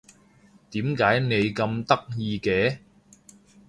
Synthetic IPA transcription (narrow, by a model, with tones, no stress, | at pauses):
t̪iː˨˥mkaː˨˥jne˨˧jkɐ˧mt̪ɐ˥k̚jiː˧kɛː˨˧